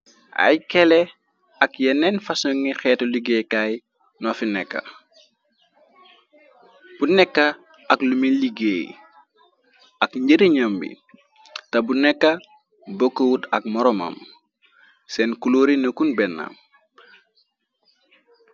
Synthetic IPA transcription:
a̰jkɛlɛ | ɐkjɛnːɛnfasoŋixɛːtoliɡejkaj | nɔfinɛkːɐ̰ | b̥unɛkːɐ | ɐklumiliɡeːj | ʔɐkɲɟəɾiɲɐmbḭ | tɐbunɛkːɐ | bokːəwutɐk̚mɔɾɔma̰m | sɛnkuloːɾinəkunbɛnːa̰m

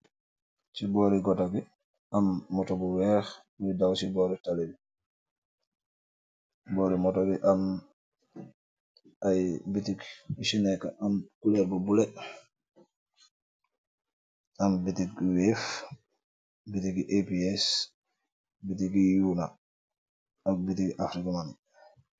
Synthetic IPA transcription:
sibɔɾiɡɔtaɡi | ʔamːɔtɔbɔwɛɾ | midawsibɔɾitalebi | bɔːɾimɔtɔbiʔam | ʔajbitikisinɛka̰ʔamkulɛɾbubulɛ | ʔambitiɡ̚wɛf | bitiɡiʔepiɛs | bitiɡijuna | akbitiɡʔafɾikaman

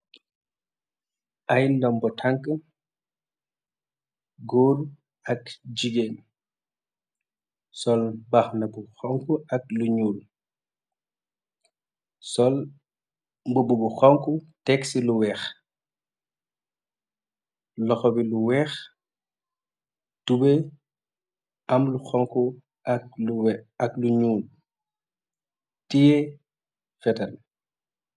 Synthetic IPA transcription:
ʔajndɔmbɔtʰaŋkə | ɡoːr | ɐkd͡ʒiɡen | sɔlbɐxnɐbuxɔŋkuɐk̚luɲuːl | sɔl | mbububuxɔŋkutɛksiluwɛːx | lɔxɔbiluwɛːx | tube | ɐmluxɔŋku | ʔɐk̚luɐkluɲuːl | tijɛ | fɛtɐl

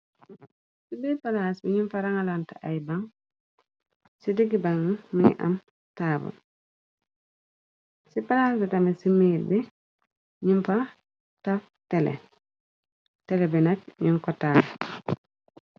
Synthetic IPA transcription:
sibipalasbɛɲimfaɾaŋalantaʔajbaŋ | sidiɡibaŋmḭʔa̰m | taːbṵ | sipalaːsbɛtamisimibɛ | ɲimfa | taf | tɛlɛ̰ | tɛlɛbɛnak̚ɲiŋkɔtaːl

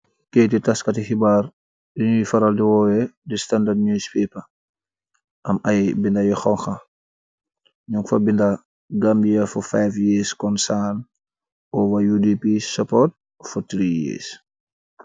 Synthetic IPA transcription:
keːtitaskɐtixibar | diɲujfɐɾaldiwɔːwɛdistandadɲujspɛːpɐ | ʔɐmɐjbindɐjixɔŋxɐ | ɲuŋfɐbindɐ | ɡambijɐfufajfjeːskɔnsaːn | ɔwɐjudipisɔpɔt̚ | futɾijɛ̰ːs

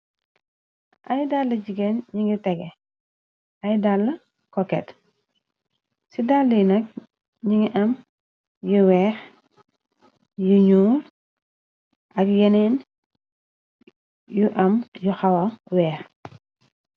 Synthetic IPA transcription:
ʔɐjdalːɐɟiɡɛnɲiŋitɛɡɛ | ɐjdalːɐ | kɔkɛ̰t | sidalːijnɐk̚ | ɲiŋiʔɐm | juwɛːx | juɲuːl | ʔɐkjɛnɛn | juʔɐmjuxɐwɐwɛːx

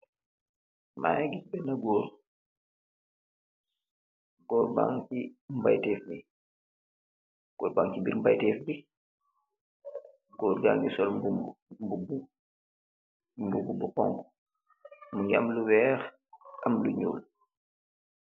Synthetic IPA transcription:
ma̰ːjɡic̚bɛnɐɡɔːɾ | ɡ̥ɔːɾba̰ŋimba̰jtɛːfmi | ɡ̥ɔːɾbaŋcibiɾmba̰jtɛːfbi | ɡɔːɾɡa̰ːŋisɔlmbumbubu | mbububuqɔ̰ŋk | muŋɡiamluwɛːx | ʔɐmluɲṵːl

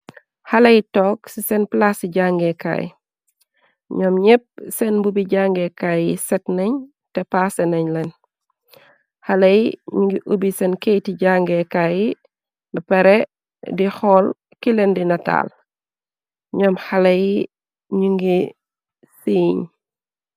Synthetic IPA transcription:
hɐlɐjitɔːksisɛnplasiɟaŋɡɛka̰ːj̰ | ɲɔmɲɛp̚sɛnbubiɟaŋɡɛkaːjisɛtnɐɲ | tɛpaːsɛnɐɲlɛn | hɐlɐjiɲuŋɡiʔubisɛnkejtiɟaŋɡɛkaji | nɐpɛɾɛ | dihɔl | kilɛndinɐta̰l | ɲɔmhɐlɐji | ɲuŋɡi | siːɲ

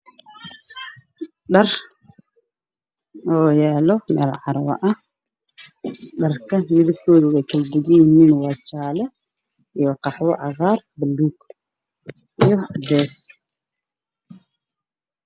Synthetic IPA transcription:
ɖɐr | ɔːjɛːlɔmɛːlʕɑɾwɐ̰ʔɐh | ɖɐrkʰɐmɪðɐfkʰɔːðɐɛjkʰɐld̪ɪɣijniːnwɑt͡ʃaːlɛ | ijɔqɑħwɔʕɑɣaːr | bɐlːuːɡ | ʔijɔd̪ɛːs

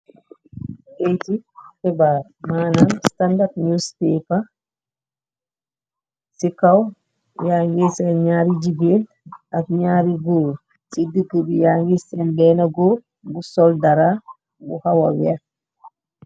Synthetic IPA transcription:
kejtitɛbaːɾ | maːnamstandatɲuspeːpa | sikɐw | jaŋɡisɛnɲaːɾiɟiɡeːl | ɐk̚ɲaːɾiɡul | sidəɡːəbijaːŋɡisɛnbɛːnɐɡo | busɔldɐɾa | buhɐwɐ̰wɛ

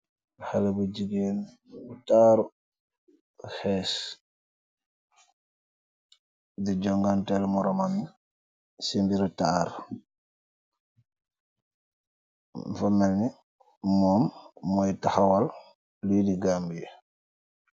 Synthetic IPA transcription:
halabud͡ʒiɡen | utaɾu | hɛs | did͡ʒɔŋɡantɛlmuɾɔmanːi | sembiɾutaɾ | mfamːɛlni | mɔːmmɔjtaxawal | lidiɡambijɛ

